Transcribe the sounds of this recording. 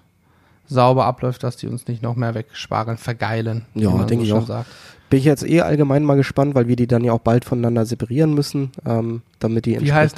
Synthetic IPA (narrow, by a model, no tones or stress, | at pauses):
zaʊbɐʔaplɔʏft̚d̥asd̥ḭːʊ̰nsnɪçtnɔχmeːɐvɛkʃpa̰ːʁənfɛɐɡaɪlənjaːdɛŋkəɪçaʊxza̰ːkb̥ɪnɪçjɛt͡stʔḛːʔa̰lɡəmaɪnmaːlɡəʃpantv̥aɪlviːɐdiːdanjaːaʊxb̥altfɔnanandɐzepaʁiːʁənmʏsn̩ʔɛːmd̥amɪt̚d̥iːɛ̰iha